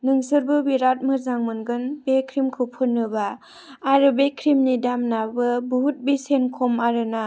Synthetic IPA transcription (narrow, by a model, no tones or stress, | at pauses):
nɯŋsɯɾbɯbiɾat̚mɯzaŋmɯnɡɯnbekʰɾimkʰɯpʰɯnːɯbaː | ɾɯbekʰɾimnidamnabɯbuɦut̚bisenkʰɔmaɾɯna